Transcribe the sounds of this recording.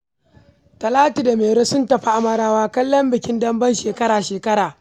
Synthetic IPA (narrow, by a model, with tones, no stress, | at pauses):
tɐ˨laː˦ti˨da˨meː˨ɽo˦sʊ˦ntɐ˨ɸa˦ʔa˦mɐ˨ɽaː˦waː˦kɐ˦lːɔ˦mbɪ˨kʲɪ˦ndɐ˦mbɐ˦nʃeː˨kɐ˦ɽaː˨ʃeː˨kɐ˦ɽaː˨